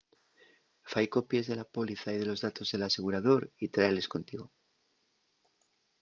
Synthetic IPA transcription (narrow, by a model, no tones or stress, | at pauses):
fajko̞pjezðe̞lapo̞liθaið̞e̞lo̞zðat̪o̞zðe̞lase̞ɣ̞uɾaðo̞ɾit̪ɾaele̞sko̞nt̪iɣ̞o̞